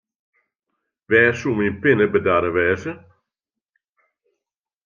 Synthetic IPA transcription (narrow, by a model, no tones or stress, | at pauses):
vɛːsumimpɪnəbədaːɾəʋɛːzə